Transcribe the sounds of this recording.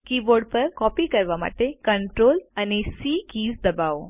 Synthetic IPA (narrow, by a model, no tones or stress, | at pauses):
kiːboɖpəɾkɔpikəɾʋama̰ʈekəɳʈɾoːlanesikiːzd̪əbao